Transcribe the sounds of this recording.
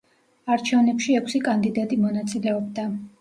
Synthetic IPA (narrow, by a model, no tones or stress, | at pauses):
aɾt͡ʃʰɛvnɛpʃiɛkʰsikʼand̪id̪at̪ʼimɔnat̪sʼilɛɔbd̪a